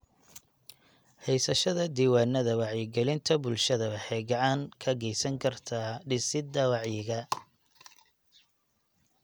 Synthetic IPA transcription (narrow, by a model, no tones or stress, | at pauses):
hɛjsɐʃɐðɐd̪iːwaːnːɐðɐwɑʕjɪɡɛlɪnt̪ʰɐbʊlʃɐðɐβɐħɛːɡɑʕɑŋkʰɐɣɛjsɐŋkʰɐrt̪ʰaːɖɪsɪd̪ɐwɑʕjɪɣɐ